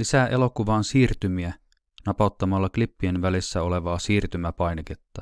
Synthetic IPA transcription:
isæːʔe̞lo̞kuʋɑːnsiːrt̪ymiæ | nɑpɑˑt̪ːɑmɑlːɑklipːienʋælisːæo̞le̞ʋɑːsiːrt̪ymæpɑjneket̪ːɑ

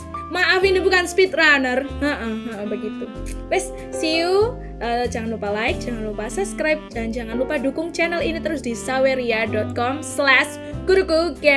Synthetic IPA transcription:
maʔafinibukanspit̪ɾanərəʔəəʔəbəɡit̪ubɛs | siu | ʔəd͡ʒaŋanlupalaɪk̚d͡ʒaŋanlupasəskɾajp̚d͡ʒaɲd͡ʒaŋanlupadukʊŋt͡ʃɛnɛlinit̪əɾʊsd̥isaweɾiadɔt̪̚kɔmslɛs | ɡ̥uɾuɡuɡɛ

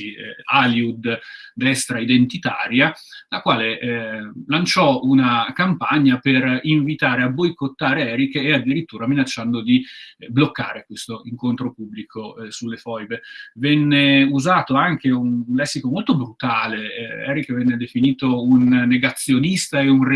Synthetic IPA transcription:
ialjiud̪d̪ɛst̪ɾaid̪ent̪it̪a̰ːɾjalakwaːle | lant͡ʃɔunakampaɲːaperiɱvit̪aːɾeabːojkot̪ːaːɾeɛːɾikead̪iɾit̪ːuːɾaminat͡ʃːand̪od̪iblokːaːɾekwest̪oiŋkont̪ɾopubːlikʰosulːefɔjvevɛnːeuzaːt̪oaŋk̟eunlɛsːikomolt̪obɾut̪aːleɛ̰ːɾikːvɛnːed̪efiniːt̪ounːeɡat̪sːjonist̪aeunr

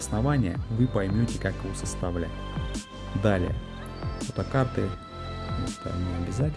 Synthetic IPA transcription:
snɐvanʲɪjə̰vɨpɐjmʲotʲɪkakjɪvosəst̪ɐvlʲæ̰tʲ | d̪alʲɪ̰jə̰ | fət̪əkart̪ɨ | mo̰st̪ɐ̰nʲɪɐbʲɪzatʲ

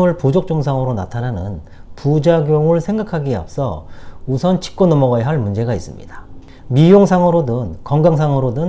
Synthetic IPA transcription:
ɯɭpod͡ʑok̚t͡ɕ͈oŋs̬ʰaŋɯɾona̰tʰananɯ̰n | pud͡ʑaɡjoŋɯɭsʰe̞ŋɡakʰaɡia̰p̚s͈ʌ̰usʰʌnt͡ɕʰi̥k̚k͈onʌmʌɡʌjaɦaɭmund͡ʑe̞ɡais͈ɯmɲḭdḁ | mijoŋsʰaŋɯɾodɯnkʌŋɡaŋsʰaŋɯɾodɯn

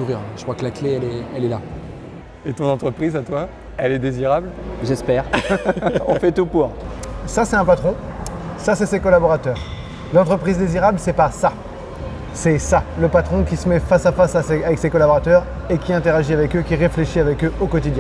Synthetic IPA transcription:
uʁiʁɛ̃ʒə̥kχwakəlakleɛlɛɛlɛla̰ | et̪ɔ̃nɑ̃t̪χəpχizat̪wa | ɛlɛd̪eziʁablʒɛspɛʁ | ɔ̃fɛt̪upuʁsasɛt̪ɛ̃pat̪χɔ̃ | sasɛsekɔlabɔʁat̪œːʁ | lɑ̃t̪χəpχizd̪eziʁablsɛpasa | sɛsaləpat̪χɔ̃kʲisəmɛfasafasasɛavɛksekɔlabɔʁat̪œʁ | ekʲiɛ̃t̪eʁaʒiavɛkøkʲiʁefleʃiavɛkøokɔt̪̬id̪jɛ̃

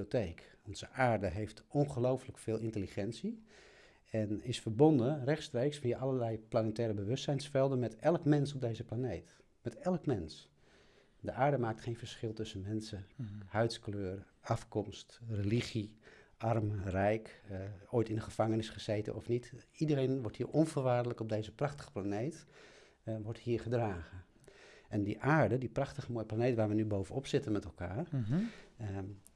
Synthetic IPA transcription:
iiotejkɔnz̥əʔaːɹdəɦejftɔnχəlowfləkfɪːlˠʔɪntəliχɛnsi | ɛnɪsfərbɔndərɛxtstreːksfijəʔɑləlɛjplanətɛːɾəbəʋʏstsɛjnsfɛlˠdənmɛtɛlˠəkmɛnsɔp̚deːzəplaneːt | mɛtɛlˠəkmɛns | dəʔaːɹdəmaːk̚tχeːnfəɹsχɪlˠtɵsənmɛnsəhœɥtskløːrʔɑfkɔmstreliχiʔɑrmrɛjkoːjtɪndəχəv̥ɑŋənɪsχəz̥eːtə̰nʔɔfnitidəɾeːnʋɔɹthiːɹʔɔnvərʋaːɹdələkɔb̚dejzəprɑχtə̥χə̥planejt | ʋɔɹthiːɹχədraːχə | ʔɛndiʔaːɹdədiprɑχtəχəmoːjəplanejtʋaːɹʋənybowvənɔpsɪtənmɛtɛlˠkaːr

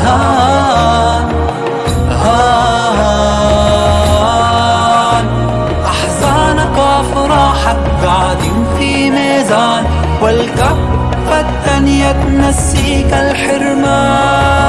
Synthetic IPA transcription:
ha | ɦa | n | ʔaħzaːnakaːfɾˤɑħak | ɡaʕd̪infiːmeːzaːn | walka | fat̪ː | anjat̪nasːiːkalħɪɾmaː

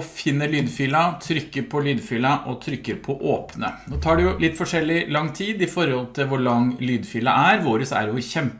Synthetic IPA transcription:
fɪnːəɭyːd̪fiːlɑt̪ʰɾʏkːəɾpʰɔlyːd̪fiːlɑʔɔt̪ʰɾʏkːəɾpʰɔʔoːpnə̰noːt̪ʰɑːɖɛjʊlɪt̪ːfɔʂɛlːɪlɑŋːt̪ʰiːd̪ɪfɔɾhɔlt̪ʰɪlʋʊɭɑŋlyːd̪fiːlɑ̰ʔæɾʋoːɾəsæ̰ɾjʊçɛmp

